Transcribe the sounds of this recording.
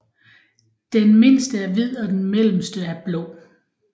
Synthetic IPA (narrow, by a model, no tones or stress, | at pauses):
d̥enme̝n̰sd̥əæɐʋið̰ˠɒ̽d̥enmel̰m̩sd̥əæɐb̥lɔ̰ː